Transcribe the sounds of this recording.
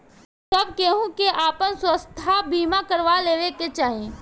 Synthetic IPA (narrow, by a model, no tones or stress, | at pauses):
səb̚keːɦũkeʔaːpənswəst̪ʰabʱiːmakəɾʋaleːʋeket͡ʃaːɦiẽ